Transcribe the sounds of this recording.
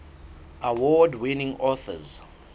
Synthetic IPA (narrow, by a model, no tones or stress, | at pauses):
awɔdwinĩŋɔθə̰z